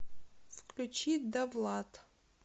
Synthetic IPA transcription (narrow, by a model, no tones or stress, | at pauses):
fklʲut͡ʃʰit̚ʲd̪ɐvlˠat̪ʰʼ